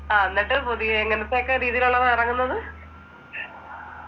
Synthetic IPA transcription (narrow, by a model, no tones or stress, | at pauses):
aːenːiʈːɨpoðieŋːɐnet̪ːejokːeɾiːðijiloɭːɐðirɐŋːunːɐðɨ